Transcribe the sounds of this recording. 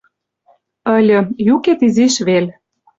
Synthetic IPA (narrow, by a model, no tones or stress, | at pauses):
əlʲə̆juket̪iziʃβelʲ